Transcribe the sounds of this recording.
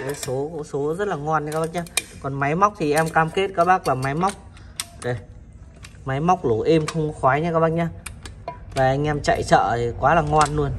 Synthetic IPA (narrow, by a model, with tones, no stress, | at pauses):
e˨˦so˨˦kso˨˦zə˦˥t̚laː˨˩ŋɔ˧nɲa˧kːaː˦˥ɓa˧˥˩ɲaː˧kɔ˨˩nma˨˦jma˦˥wk͡p̚t̪ʰi˨˩ʔɛ˧mkaː˧mke˦˥t̚kaː˦˥k̚ɓaː˦˥k̚laː˨˩ma˨˦jma˦˥wk͡p̚ | zo˨˩j | ma˨˦jma˦˥wk͡p̚lo˧˩ʔe˧mxə˧wŋ͡mxwaː˨˦jɲa˧kaː˦˥k̚ɓa̰˧˥ɲaː˧ | vaː˨˩ʔa˧jŋ̟ʔɛ˧mt͡ɕa̰˧˨jt͡ɕə̰ː˧˨i˨˩kwaː˨˦laː˨˩ŋɔ˧nːu˧ən